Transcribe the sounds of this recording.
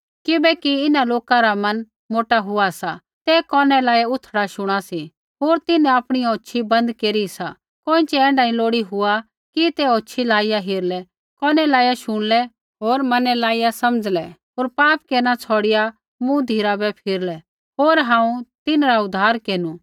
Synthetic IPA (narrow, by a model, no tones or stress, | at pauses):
kɪbɛkiɪnaloːkaɾamɐn | moːʈaɦʊasa | t̪ɛkɔːnɛlaːiaʊt̪ʰːɽaʃʊɽ̃asi | ɦoːɾt̪ɪnɛ̃aːpɽ̃ijoːʃʰibɐ̃nd̪keːɾisa | koːɪ̃t͡ʃɛɛ̃ːɳɖaːĩloːɽiɦʊa | kit̪ɛoːʃʰilaːɪjaɦɪɾlɛ | kɔːnɛlaːijaʃʊɽ̃lɛ | ɦoːɾmɐnɛlaːijasɐməd͡zlɛɦoːɾpaːp̚keːɾnat͡sʰɔːɽɪja | mũd̪ʱiːɾabɛpʰɪɾlɛ | ɦoːɾɦãːũt̪ɪnɾaʊd̪ʱːaːɾkeːnu